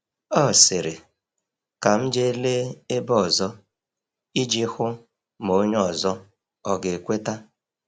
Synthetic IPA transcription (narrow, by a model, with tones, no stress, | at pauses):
ɔ˦˨sɪ˨ɾɪ˨ | ka˨m̩˦d͡ʒe˦le˦e˦bɔ˨zɔ˦ | i˦d͡ʒi˦xʊ˦ | mo˨˦ɲ˦ɔ˨zɔ˦ | ɔ˨ɡe˨kʷe˦ta˦